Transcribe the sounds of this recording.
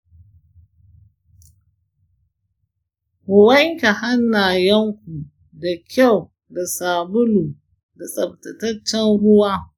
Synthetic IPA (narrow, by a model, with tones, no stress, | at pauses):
hʊ˨wɐ˦ŋkʲa˨ha˦nːa˨jɐ˦ŋkʷu˨ | da˨kʲa˦˨w | da˨saː˨bʊ˦luː˨ | da˨sʼɐ˨b̚tɐ˨tɐ˦t͡ʃːɛ˦nɽʊ˦waː˦